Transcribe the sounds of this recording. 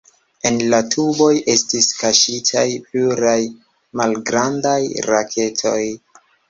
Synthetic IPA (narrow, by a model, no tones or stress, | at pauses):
e̞nlatʰubo̞jʔe̞stiskaʃitʰajpluɾaj | malɡɾandajɾakʰe̞tʰo̞j